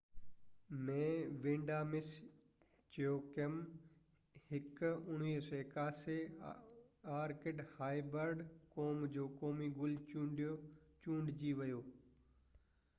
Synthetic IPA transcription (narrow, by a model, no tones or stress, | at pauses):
mẽːʋẽːɳɖaːmɪs | t͡ɕjoːkem | hɪkʊɽ̤̃iːɦsɔɪkaːse | aːɾkɪɖhaːibəɾɖkoːmd͡ʑoːkoːmiɡʊl | t͡ɕũːɳɖd͡ʑiːʋɐjoː